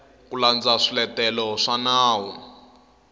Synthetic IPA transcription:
kuland͡zaʂilɛtɛlɔʂanaːwɔ

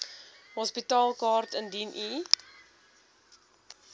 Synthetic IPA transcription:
ɦɔspitɑːlˠkɑːrtəndinʔi

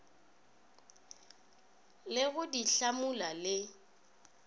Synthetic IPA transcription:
lɪɣʊdiɬamʊlalɪ

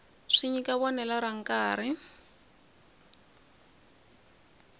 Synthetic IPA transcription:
ʂiɲikaβɔnɛlaɾaŋ̩kaːɾ̤i

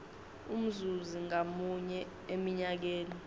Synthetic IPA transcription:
um̩zuziŋamuɲɛ | emiɲak̬eːni

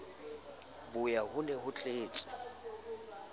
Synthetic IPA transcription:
bʊjahʊlɛhʊt͡ɬʼeːt͡sʼɛ̥

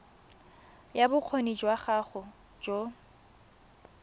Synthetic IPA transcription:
jabʊq͡χʰonid͡ʒwaχaχʊ | d͡ʒo

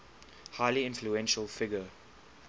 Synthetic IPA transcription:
haɪliɪ̃nfluɛ̃nʃəlˠfɪɡə

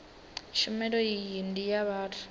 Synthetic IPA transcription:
ʃumɛlɔjijindʼijaɓaːtʰu̥

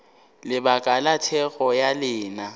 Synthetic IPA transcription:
lɪbakʼalatʰɛɣɔjalɪːna

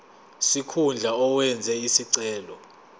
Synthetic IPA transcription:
sikʰund͡ɮʱaɔwɛnd͡zʱɛisiǀɛːlɔ

